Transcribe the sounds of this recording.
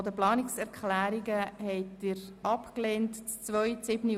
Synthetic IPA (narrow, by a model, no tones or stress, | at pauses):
dəplɑːnɪksɛɾkʰlæːɾiɡəhɛɪtɪːɾɑpkleːntt͡st͡sʋœʏsɪbni